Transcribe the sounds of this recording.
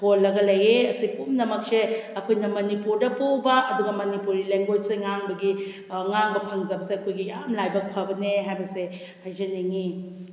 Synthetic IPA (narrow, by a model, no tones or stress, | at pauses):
polːɐɡɐlɐjeɐsipumnɐmɐk̚seɐkʰojnɐmɐnipuɾdɐpowbɐɐduɡɐmɐnipuɾileŋɡod͡ʒseŋaŋbɐɡi | ŋaŋbɐpʰɐŋzɐbɐseɐkʰojɡija̰mlajbɐk̚pʰɐbɐneɦajbɐse | hajzɐneŋi